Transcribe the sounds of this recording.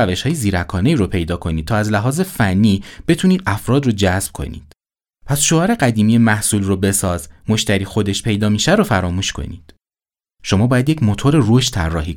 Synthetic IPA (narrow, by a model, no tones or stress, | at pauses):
æve̞ʃhɒːjeziːɾækʰɒːneiːɾopʰe̞jd̪ɒːkʰo̞niːt̪̚t̪ʰɒːæzlæɦɒːze̞fænːiːb̥e̞t̪ʰuːniːd̪ʔæfɾɒːd̪rod͡ʒæzb̥̚kʰo̞̰nḭːd̪̥ | pʰæsʃoɒːɾe̞ɢæd̪iːmijemæhsuːlrobe̞sɒːzmo̞ʃt̪æɾiːxo̞d̪e̞ʃpʰe̞jd̪ɒːmiːʃæɾofæɾɒːmuːʃkʰo̞̰nḭːd̪̥ | ʃo̞mɒːbɒːjæd̪je̞cʰmo̞t̪ʰoɾeroʃt̪t̪ʰæ̰rːɒːɦiː